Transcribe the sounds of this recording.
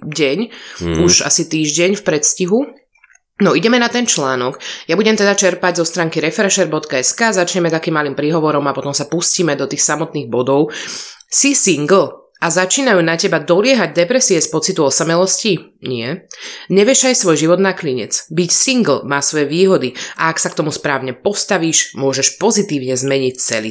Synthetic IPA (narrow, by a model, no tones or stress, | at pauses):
ɟɛɲuʃa̰sit̪iːʒɟɛɲfpɾɛt̪sciɦu | nɔiɟɛmɛnat̪ɛnt͡ʃlaːnɔɡjabuɟɛmt̪ɛd̪at͡ʃɛɾpaɟzɔst̪ɾaːŋkiɾɛfɛɾɛʃɛɾbɔt̪kaɛskaːzat͡ʃɲɛmɛt̪akiːmːalimpɾiɦɔʋɔɾɔmapɔt̪ɔmsapusciːmɛd̪ɔt̪iːxsamɔt̪niːɣbɔd̪ɔʊ | sisiŋɡl̩ | azat͡ʃiːnajuːnacɛbad̪ɔlɪɛɦaɟ̚d̪ɛpɾɛsiɛspɔt͡sit̪uɔsamɛlɔsciɲɪɛɲɛʋjɛʒajsʋɔjʒiʋɔd̪nakliɲɛ̰t͡sbicsiŋɡl̩maːsʋɔjɛʋiːɦɔd̪iʔaaksakt̪ɔmuspɾaːʊɲɛpɔst̪aʋiːʃmʊɔʒɛʃpɔzit̪iːʊɲɛzmɛɲict͡sɛ̰lḭ